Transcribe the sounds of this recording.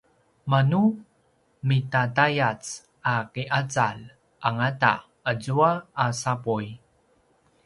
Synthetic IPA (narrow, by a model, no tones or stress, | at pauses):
manu | mitatajat͡s | akiʔat͡sal | ʔaŋata̰ | əzuaːsapuj